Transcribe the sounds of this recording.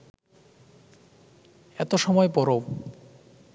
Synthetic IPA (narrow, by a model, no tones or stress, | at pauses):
ɛt̪oʃɔmɔepɔɾo